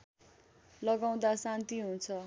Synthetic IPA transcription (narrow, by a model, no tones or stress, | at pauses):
lʌɡaw̃d̪asãnt̪iɦunt͡sʰʌ